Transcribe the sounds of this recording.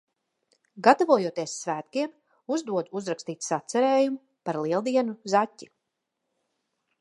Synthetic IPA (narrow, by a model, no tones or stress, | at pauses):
ɡat̪avuɔjuɔt̪iɛsːvæːt̪kiɛm | uzd̪uɔd̪uzɾakst̪iːt̪sat̪sɛɾeːjumu | paɾlˠiɛlˠd̪iɛnuzatʲːi